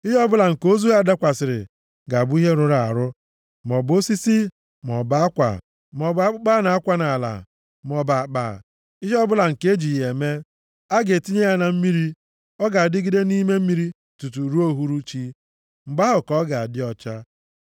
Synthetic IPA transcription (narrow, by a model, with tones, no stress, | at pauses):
i˦ɦɔ˦bʊ˦la˨ŋ̩˨ko˦zu˦ɣa˦˨da˦kʷa˨sɪ˨ɾɪ̰˨ | ɡa˨bʊ˦i˦ɦe˦ɾʊ˦ɾa˨a̰˨ɾʊ˦ | m˨ɔ˨bo˦si˦si˦ | m˨ɔ˨ba˦kʷa̰˨ | mɔ˨ba˦k͡pa˦na˨a˦kʷa˦na˨la̰˨ | m˨ɔ˨ba˨k͡pa̰˨ | i˦ɦɔ˦bʊ˦la˨ŋ̩˨ke˦d͡ʒi˨je˨me˦ | a˦ɡe˨ti˦ɲe˦ja˦na˨m̩˦mi˦ɾi˦ | ɔ˦ɡa˨a˨dɪ˦ɡi˦de˦ni˦me˦m̩˦i˦ɾi˦ | tu˨tu˨ɾu˦o˦ɦu˦ɾu˦t͡ʃi˦ | ŋ͡m̩˨ɡ͡ba˦ɦʊ˨kɔ˦ɡa˨a˨dɪ˦ɔ˦t͡ʃa˦